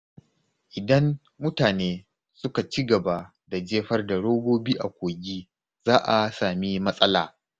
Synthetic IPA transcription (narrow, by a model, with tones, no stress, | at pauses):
ʔɪ˨dɐ˦n | mʊ˦taː˨neː˦ | sʊ˦ka˨t͡ʃi˦ɡɐ˨ba˦ | da˨d͡ʒeː˦ɸɐ˦rda˨ɽoː˦ɡoː˦biː˦ʔa˨kʷoː˨ɡʲiː˦ | z̥aː˦ʔa˨saː˨mi˦mɐ˦sʼɐ˦laː˨